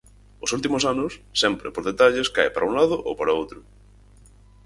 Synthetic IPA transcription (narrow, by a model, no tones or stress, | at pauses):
ʊsult̪imʊsanʊsːɛmpɾepoɾðet̪aʎeska̰jpa̰ɾauŋlaðʊʔo̰wpaɾaowt̪ɾʊ